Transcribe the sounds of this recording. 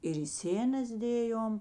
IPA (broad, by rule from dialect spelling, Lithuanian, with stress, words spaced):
ɪr ɪ ˈsʲeːnɐs ˈdʲeːjoːm